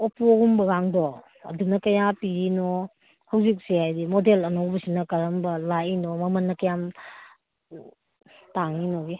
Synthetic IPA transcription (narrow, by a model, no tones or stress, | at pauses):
opuɡumbɐɡaŋdɔ | ɐ̰dunɐkɐjapiɾinɔ | hɐwzik̚sihajdimodelɐnowbɐsinɐkɐɾɐmbɐlainɔmɐmɐnːɐkɐjam | taŋinɔɡi